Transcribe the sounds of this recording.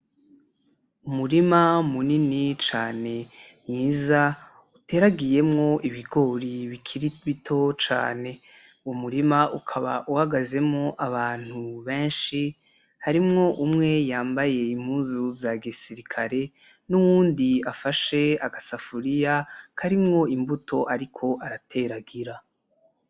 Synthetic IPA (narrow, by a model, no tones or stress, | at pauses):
umuɾimamuninit͡ʃaːne̞nŋiːza | ute̞ːɾaɡije̞mŋo̞ʔiβiɡo̞ːɾiβikʰiɾiβitʰo̞t͡ʃa̰ːne̞ | uwomuɾimaʔukʰaβa̰ʔuhaɡaze̞mŋoʔaβaːn̥huβe̞ːnʃi | haɾimŋo̞ʔumŋe̞jaːmbaje̞im̥huːzuzaɡisiɾikʰaɾe̞nuwuːndiafaʃe̞aɡasafuɾijakʰaɾimŋo̞imbutʰo̞ʔaɾikʰo̞ʔaɾatʰe̞ɾaɡiɾa